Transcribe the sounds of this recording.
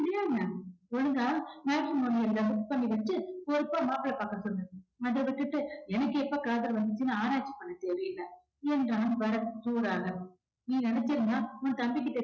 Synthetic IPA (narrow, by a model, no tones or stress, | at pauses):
pɪɽɪjaːŋaɔɻɯŋɡaːɐmaːkɾɪmoːnɪjɐllɐsʊtpɐɳːiʋɐt͡ʃːɯpɔɾɯpːaːmaːpːɪɭɐpaːkːɐt̪ːɯnːɯɐðɐʋɪʈːɯʈːɯɛnɐkːɯɛpːɐːkaːðɐɾʋɐnd̪ɯt͡ʃːɯnːaaːɾaːt͡ʃːi̥pːɐɳːɐt̪ɛɾɪjɯlːɐ | ɛndɾaːmʋɐɾɐt̪uːɾaːɣɐ | niːnɛnɛt͡ʃːɪɾɯnd̪aːɔnt̪ɐmbɪkːɯt̪ɛ